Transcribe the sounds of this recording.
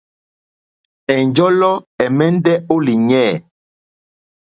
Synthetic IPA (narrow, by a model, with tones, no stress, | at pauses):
ɛ˨nd͡ʒɔ˦lɔ˦ɛ˨mɛ˦n˦dɛ˦o˦li˨ɲɛ˦˨